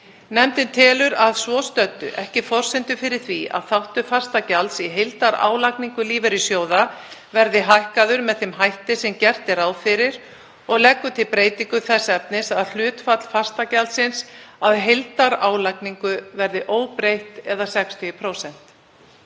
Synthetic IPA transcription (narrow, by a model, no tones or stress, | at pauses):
nɛmt̪ɪnt̪ʰɪːlʏɾaðsvɔst̪œt̪ːʏ̰ʔɛhcɪfɔr̥sɪnt̪ʏfɪɾɪɾ̥θvia̰ðθawht̪ʏfḁst̪acalt̪siɦejlt̪aɾa̰ːwlajkniŋkʏliːvɛɾɪsjoːwðavɛɾðɪɦajhkaðʏɾmɛðθɪmɦajht̪ɪsɛmcɛr̥t̪ɪɾaːwfɪɾɪɾ̥ | ɔɣlɛkːʏt̪ʰɪlpɾeːjt̪iŋkʏθɛsːɛp̚nɪsaðl̥ʏːt̪fat̪l̥far̥st̪acalsɪnsaðɦejlt̪aɾaːwlakniŋkʏvɛɾðɪʔoːwpɾejht̪ɛðasɛkst̪ʰʏpʰɾoːwsɛn̥t̪